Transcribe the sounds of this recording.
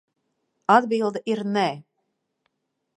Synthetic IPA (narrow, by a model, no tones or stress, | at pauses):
ad̪bilˠd̪ɛʔiɾnɛ